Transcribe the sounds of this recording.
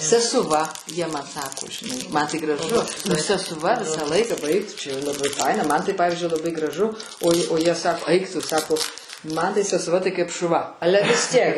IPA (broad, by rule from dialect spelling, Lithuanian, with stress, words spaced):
sʲɛsʊˈʋɐ jiɛ mɐn ˈsɑːkoː ʒʲɪˈnɐɪ ˈmɐn tɐɪ ɡrɐˈʒʊ nʊ sʲɛsʊˈʋɐ ˈʋʲɪsɐ ˈlˠɐɪkɐ ˈbɐɪk tʊ t͡ʃʲɛ jɛʊ lˠɐˈbɐɪ ˈfɐɪnɐ ˈmɐn tɐɪ ˈpɑːʋʲɪzʲd͡ʒʲʊɪ lˠɐˈbɐɪ ɡrɐˈʒʊ oːj oː ˈjiɛ ˈsɑːkoː ˈɐɪk ˈtʊ ˈsɑːkoː ˈmɐn tɐɪ sʲɛsʊˈʋɐ ˈtɐɪ kɐɪp ʃʊˈʋɐ ˈɑːlʲɛ ʋʲɪs ˈtʲiɛk